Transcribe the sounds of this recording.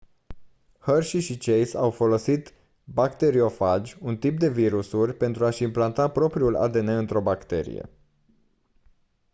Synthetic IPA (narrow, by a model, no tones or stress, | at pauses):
hərʃiʃit͡ʃejsawfo̞lo̞sit̪ | bakt̪e̞ɾio̞fad͡ʒʲunt̪ip̚d̪e̞viɾusurʲpe̞nt̪ɾuaʃimplant̪apɾo̞pɾiula̰d̪e̞neɨnt̪ɾo̞bakt̪e̞̰ɾḭjḛ